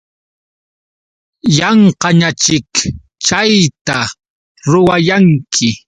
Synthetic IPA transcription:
jɑɴqɑɲat͡ʃɪk | t͡ʃajt̪a | ɾʊwajaŋkʰɪ

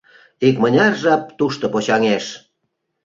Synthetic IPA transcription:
ikmə̆nʲɑrʒɑp̚t̪uʃt̪opot͡ɕɑŋeʃ

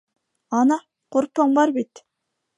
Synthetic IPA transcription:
ɑnɑ | qoɾpːəŋbɑɾbit̪

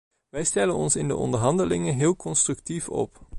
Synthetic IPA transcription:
ʋɛjstɛlənɔnsɪndə̰ʔɔ̰ndəɹɦɑndəlɪŋəɦɪːlˠkɔnstrɵk̚tifɔ̰p

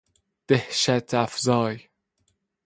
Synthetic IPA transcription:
d̪̥ehʃæt̪ʰæfzɒːj

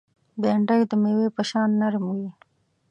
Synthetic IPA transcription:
beɳɖəjd̪əmewepəʃɑnːaɾmuwi

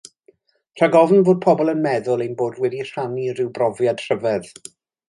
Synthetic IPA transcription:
r̥əɡɔvn̩voːd̚pʰɔbɔlˠənmɛðʊlˠejnboːdwɛdir̥anirɪwbrɔvjad̥r̥əvɛð

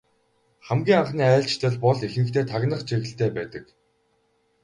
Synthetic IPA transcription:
χæmɡʲiːŋaɴχniːæːɬt͡ɕt̪ʰɘ̆ɮpɔɮexɘ̆ɘ̆kt̪ʰeːt̪ʰaɣʲnə̆χt͡ɕeɣɘ̆ɬt̪eːpæːt̪ə̆k

